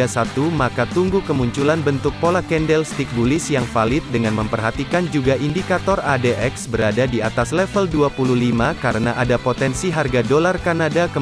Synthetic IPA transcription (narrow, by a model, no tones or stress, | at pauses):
asat̪umakat̪uŋɡukəmuɲt͡ʃulanbənt̪ʊk̚polakɛndɛlst̪ik̚bulɪsjaŋfalɪt̪̚dəŋanməmpərɦat̪ikand͡ʒuɡaʔindikat̪ɔradeʔɛksbəɾadadiat̪aslɛfəlduapuluhlimakaɾənaʔadapot̪ɛnsiɦarɡadolarkanadakə